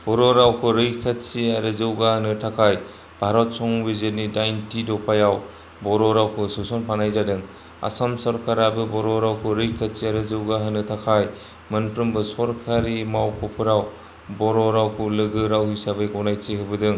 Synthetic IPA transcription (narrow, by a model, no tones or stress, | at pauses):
b̥ɔɾɔɾawkʰɯɾɯjkʰatt͡ʃiaɾɯzɯwɡahɯnɯtʰakʰaj | bʱaɾɔt̚sɔŋbizenidajntidɔpʰajaw | bɔɾɔɾawkʰɯsusɔnpʰanajzadɯŋ | a̰samsɔɾkaɾabɯbɔɾɔɾawkʰɯɾɯjkʰat̚t͡ʃiaɾɯzɯwɡaɦɯnɯtʰakʰaj | mɯnpʰɾɯmbɯsɔɾkʰaɾimawkʰɔpʰɯɾaw | bɔɾɔɾawkʰulɯɡɯɾawhisabɯjɡɔwnajt͡ʃiɦɯbɯdɯŋ